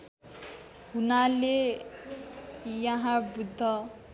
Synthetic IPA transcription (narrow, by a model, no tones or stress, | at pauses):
ɦunale | jaɦãbud̪ʱːʌ